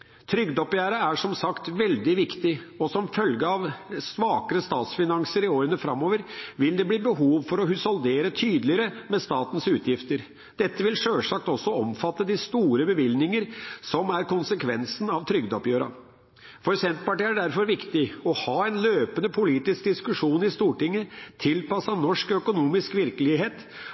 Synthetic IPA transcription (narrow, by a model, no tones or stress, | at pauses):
t̪ʰɾʏɡd̪ɔpjæːɾɑæʂɔmsɑkt̪ʋɛld̪ɪʋɪkt̪ɪ | ɔsɔmfœlɡəɑʋsʋɑːkəɾəst̪ɑːt̪sfɪnɑŋsəɾɪoːɾənəfɾɑmːoːʋəɾʋɪld̪ɛbliːbəɦuːʋfɔɾɔɦʉsɔld̪eːɾət̪ʰyːd̪lɪəɾəmɛst̪ɑːt̪ən̩sʉːt̪ʰjɪft̪əɾ | d̪̥ɛt̪ːəʋɪlʂøːlʂɑk̚t̪ɔsːɔɔmfɑt̪ːəd̪ɪst̪uːɾəbəʋɪlnɪŋəɾsɔmæɾkʊnsəkʰʋɛnsn̩ɑʋt̪ʰɾʏɡd̪ɔpjøːɾɑ̰ | fɔɾsɛnt̪pɑʈiːæɖæɾfɔɾʋɪkt̪ɪɔhɑːɛnløːpənəpʰʊliːt̪ɪsk̚d̪ɪskʉʂuːnɪst̪uːʈɪŋːət̪ʰɪlpɑsɑnɔʂkœkʊnuːmɪskʋɪɾkəlɪɦeːt̪